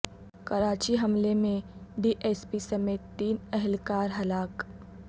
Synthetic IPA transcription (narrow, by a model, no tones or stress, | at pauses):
kɐɾaːt͡ʃiɦɐmlemẽɖiːʔɛːspisɐmeːt̪ːiːnɛɦɪlkaːɾɦɐlaːk